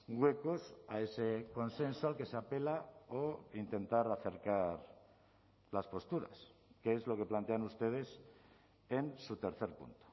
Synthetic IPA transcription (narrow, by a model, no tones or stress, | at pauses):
ɡwe̞ko̞sae̞se̞ko̞nse̞nsoalke̞seape̞laoint̪e̞nt̪aɾaθe̞ɾkaɾ | laspo̞st̪uɾa̰skeezlo̞ke̞plant̪e̞anust̪e̞ð̞e̞s | e̞nsut̪e̞ɾθe̞ɾpṵnt̪o̥